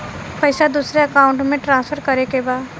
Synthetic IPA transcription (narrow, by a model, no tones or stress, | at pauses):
pɐɪsad̪uːsɾeɐkaːʊ̃ɳʈmẽʈɾãːsfʰəɾkɐɾekebaːd̪